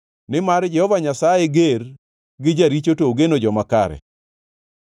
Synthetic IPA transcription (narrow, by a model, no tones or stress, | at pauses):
nɪmaɾd͡ʒɛhɔvaɲasajeɡer | ɡɪd͡ʒaɾit͡ʃotoɡenod͡ʒɔmakaɾɛ̰